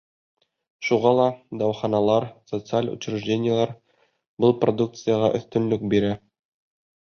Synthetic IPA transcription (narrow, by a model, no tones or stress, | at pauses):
ʃuʁɑlˠɑd̪ɑwχɑnɑlˠɑɾsot̪sɨalʲṵt͡ɕɾɘ̆ʒdʲenʲɪjəlˠɑɾ | bɤlˠprod̪uk̚t̪sɨjəʁɑ̰ʔɵ̰̆θt̪ɵ̆nlɵk̚biɾæ